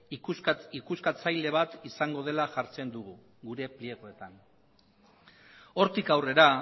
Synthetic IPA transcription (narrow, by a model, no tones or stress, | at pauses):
ikuskat͡sajle̞β̞at̪isaŋɡo̞ð̞e̞laʝaɾt͡se̞nd̪uɣu | ɡuɾe̞plie̞ɣo̞e̞t̪an | o̞ɾt̪ikawre̞ɾa